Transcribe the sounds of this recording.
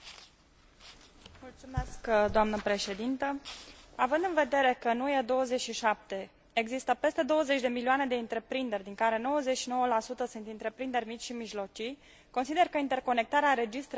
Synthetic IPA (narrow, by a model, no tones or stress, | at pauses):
mult̪sumeskd̪oamnəpɾe̞ʃe̞d̪int̪əavɨnd̪ɨnve̞d̪e̞ɾe̞kəɨnujed̪o̞wəze̞t͡ʃʃiʃap̚t̪e̞ | eɡzist̪əpe̞st̪e̞d̪o̞wəze̞t͡ʃʲd̪e̞milioane̞d̪e̞ɨnt̪ɾe̞pɾind̪erʲd̪iŋkaɾe̞no̞wəzet͡ʃʃino̞wəlasut̪əsunt̪int̪ɾe̞pɾind̪e̞rʲmit͡ʃʲʃimiʒlo̞t͡ʃij | ko̞nsid̪e̞rkəint̪e̞rko̞nek̚t̪aɾeaɾe̞d͡ʒist̪ɾ